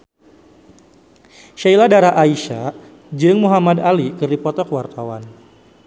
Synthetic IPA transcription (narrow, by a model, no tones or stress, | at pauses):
ʃailadaɾaʔaiʃa | d͡ʒɨŋmuɦamadalikɨrdipɔt̪ɔkəwart̪awan